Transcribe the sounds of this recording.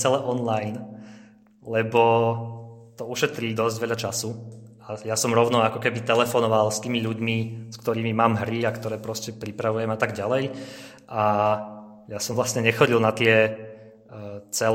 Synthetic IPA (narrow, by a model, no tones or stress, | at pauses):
t͡sɛlɛʔɔnlajn | lɛbɔ | t̪ɔuʃɛt̪ɾiːd̪ɔzɟʋɛʎat͡ʃasu | ajasɔmɾɔʊnɔakɔkɛbit̪ɛlɛfɔnɔʋalst̪iːmiʎuɟmiskt̪ɔɾiːmimaːmɦɾiakt̪ɔɾɛːpɾɔscɛpɾipɾaʋujɛmat̪aɡɟalɛj | ʔa | jasɔmʋlasɲɛɲɛxɔɟilˠnat̪ɪɛ | t͡sɛl